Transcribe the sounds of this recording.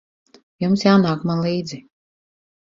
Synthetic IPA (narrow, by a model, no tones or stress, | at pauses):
jumsjaːnaːkmanlˠiːd̪zi